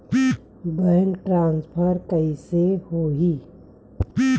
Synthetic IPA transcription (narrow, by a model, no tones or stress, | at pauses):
bəɦnʈɾãːnspʰəɾkəisehoːɦiː